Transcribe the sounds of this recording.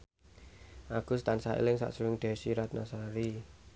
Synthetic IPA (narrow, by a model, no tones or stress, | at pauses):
ʔaɡ̥ʊ̤st̪ansaḭlɪŋsa̰ʔsuɾɪŋd̪̥ɛ̤siɾat̪̚nasaɾi